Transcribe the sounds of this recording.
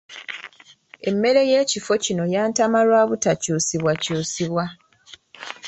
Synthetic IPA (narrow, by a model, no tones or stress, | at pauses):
e̞mːe̞ɾe̞je̞ːcifo̞cino̞jaːntamalwaːβutacuːsiβwacuːsiβwa